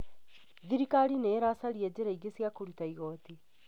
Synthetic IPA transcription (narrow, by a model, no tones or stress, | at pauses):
ðiɾikaːɾineɾasaɾied͡ʒeɾaiɡesijakuɾit̪aiɣɔt̪i